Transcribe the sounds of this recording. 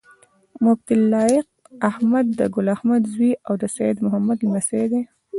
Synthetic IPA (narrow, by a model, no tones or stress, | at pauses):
mʊb̚t̪ɪlːɑjɪq̚ahmad̪ːəɡʊlahmad̪zwiʔawd̪əsajɪd̪mʊɦamːad̪imased̪e